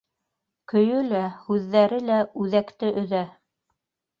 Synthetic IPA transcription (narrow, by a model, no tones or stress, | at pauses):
kɵ̆jɵlæhʉðːæɾɘlæʉðækt̪ɘʔɵ̆ðæ